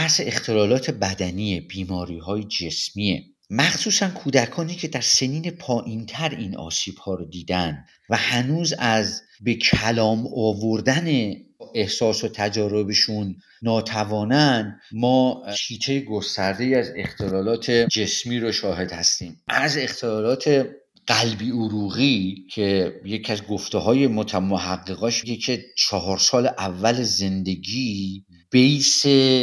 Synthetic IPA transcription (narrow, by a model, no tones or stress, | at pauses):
æhseext̪ʰe̞lɒːlɒːt̪ʰe̞bæd̪æniːebiːmɒːɾiːɦɒːjed͡ʒe̞smiːḛ | mæxsuːsænkʰuːd̪ækʰɒːniːcʰe̞d̪æɾse̞niːnepʰɒːʔiːnt̪ʰæɾinʔɒ̰ːsiːb̥hɒːɾod̪iːd̪ænd̪ | væhænuːzæz | be̞kʰælɒːmɒːvoɾd̪æneʔe̞hsɒːsot̪ʰæd͡ʒɒːɾo̞beʃunː | ɒːt̪ʰævɒːnænd̪mɒːt͡ʃʰiːt̪ʰejeɡo̞st̪æɾd̪e̞iæze̞̰xt̪ʰe̞lɒːlɒːt̪ʰe̞d͡ʒe̞smiːɾoʃɒːhe̞d̪hæst̪iːmæze̞xt̪ʰelɒːlɒːt̪ʰe̞ | ɢ̥ælbiːuɾuːɣicʰe̞je̞cʰiæzɡoft̪eɦɒːje̞mot̪ʰæmoɦæɡːeɣɒʃɡecʰe̞t͡ʃʰɒɦɒːɾsɒːleʔævːæleze̞nd̪e̞ɟiː | b̥ejse